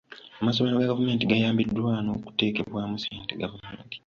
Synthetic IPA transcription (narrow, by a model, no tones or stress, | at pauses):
amas̬oβanoɡaɡavume̞ːntiɡajaːmbidːwano̞ːku̥te̞ːkeβwaːmusiːnteɡavumḛːnti̥